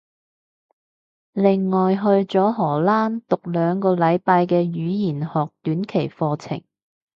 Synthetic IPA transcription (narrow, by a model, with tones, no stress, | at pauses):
lɪ˨ŋːɔː˨˩jɦɵ˧ɥt͡ʃɔː˨˥ɦɔː˨˩laː˥nt̪ʊ˨k̚lœː˨˧ŋkɔː˧lɐ˨˧jpaː˧jkɛː˧jyː˨˥jiː˨˩nhɔː˨k̚t̪yː˨˥nkʰe˨˩jfɔː˧t͡sʰɪ̰˨˩ŋ